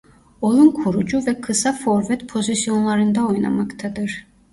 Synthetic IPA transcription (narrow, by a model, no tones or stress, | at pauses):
o̞lˠunkʰuɾud͡ʒuvɛkʰɯsafo̞ɾvɛt̪pʰo̞zisijo̞nlˠaɾɯnd̪aojna̰makt̪ʰad̪ɯɾ̥